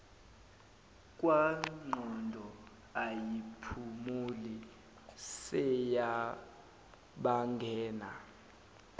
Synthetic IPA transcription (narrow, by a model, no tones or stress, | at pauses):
kʼwaŋ͡ǃʱɔndʱɔ | ajipʰumuli | sɛja | ɓaŋɡʱɛːna